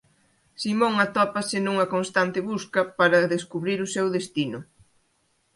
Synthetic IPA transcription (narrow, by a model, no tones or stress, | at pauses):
simõŋɐt̪ɔpɐsɪnũŋɐkonst̪ant̪ɪβuskɐpaɾɐðeskuβɾiɾʊsewðest̪inʊ